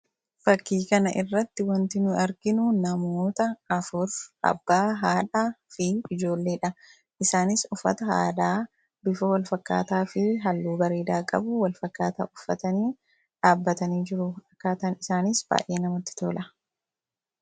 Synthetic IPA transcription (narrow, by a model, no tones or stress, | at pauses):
fɐkːiːkɐnɐʔɪrːɐt̪ːɪwɐnt̪ɪnʊʔɐɾɡɪnʊnɐmoːt̪ɐːfʊɾɐ̰bːaːɦaːᶑaːfɪɪd͡ʒo̞ːlːe̞ːᶑɐ | ʔɪsaːnɪsʊfːɐ̰t̪ɐha̰ːd̪aː | bɪfɐwɐlfɐkːa̰ːt̪aːfɪɦɐlːuːbɐɾeːd̪aːkʼɐ̰bʊwɐlfɐkːaːt̪a̰ːʔʊfːɐ̰t̪ɐniː | ᶑaːbːɐt̪ɐniːd͡ʒɪɾʊɐkːaːt̪ɐːnɪsaːnɪsb̥a̰ːʔjʔe̞ːnɐmɔt̪ːɪ̥t̪oːlʔɐ